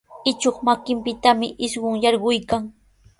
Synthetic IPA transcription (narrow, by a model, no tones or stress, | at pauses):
ɪt͡ʃoχmakɪmpɪt̪amɪʔɪʃɢʊŋjɑɾɢʊjkaŋ